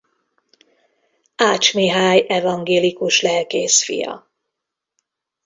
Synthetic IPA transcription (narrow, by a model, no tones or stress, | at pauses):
aːt͡ʃmiɦaːjɛvɒŋɡeːlikuʃlɛlkeːsfḭjɒ̰